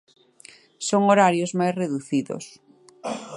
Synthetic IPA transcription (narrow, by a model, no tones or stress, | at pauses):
soŋoɾaɾjozmajsreðuθiðo̰s